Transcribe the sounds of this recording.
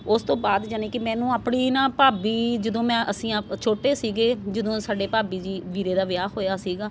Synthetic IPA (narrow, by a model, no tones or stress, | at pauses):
ʊst̪õːbaːd̪d͡ʒanẽːkɪmɛ̃ːnũːaːpɳiːnãːpaːbiːd͡ʒəd̪õːmɛ̃ːʔəsĩːat͡ʃʰoːʈeːsiːɡeːd͡ʒəd̪õːsaːɖeːpaːbiːd͡ʒiːʋiːɾeːd̪aːʋjaːɦoːjaːsiːɡaː